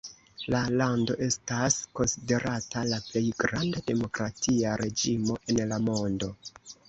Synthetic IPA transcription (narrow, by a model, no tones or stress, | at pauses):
lalando̞̰ʔe̞stasko̞nside̞ɾʔatalaple̞jɡɾandade̞mo̞kɾatʰiaɾe̞d͡ʒimo̞ʔe̞nlamo̞ndo̞